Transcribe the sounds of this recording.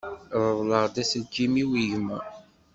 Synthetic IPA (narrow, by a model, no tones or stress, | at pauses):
ðˤəðˤləʁd̪æsəd͡ʒimiwiʝmæ